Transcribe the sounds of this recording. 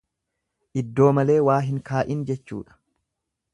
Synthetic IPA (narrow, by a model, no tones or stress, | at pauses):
ʔɪd̪ːo̞ːmɐle̞ːwaːɦɪŋkaːʔɪnd͡ʒɛt͡ʃːṵːᶑɐ̥